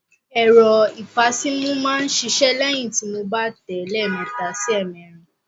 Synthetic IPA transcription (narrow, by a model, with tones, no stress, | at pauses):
ɛ˨ɾɔ˨i˨fa˨˦si˦mũ˦mãː˦n̩˦ʃi˧ʃɛ˦lɛ˦j̃ĩ˦˨ti˨˦mo˧ba˦tɛ˨˦lɛ˦˨nĩ˧ta˨si˦ɛ˦˨mɛ̃˨˦ɾ̃ĩ˧